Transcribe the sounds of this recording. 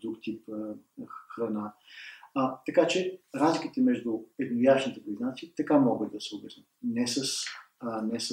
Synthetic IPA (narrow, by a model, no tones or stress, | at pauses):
d̪ɾukt̪ip | xɾɐna | t̪ɐkat͡ʃɛɾazlʲikit̪ɛmɛʒd̪ʊɛd̪nojat͡ʃnit̪ɛpɾiznat̪siit̪ɐkamɔɡəd̪d̪ɐsɛʊbɛsnət̪nɛsəs | nɛs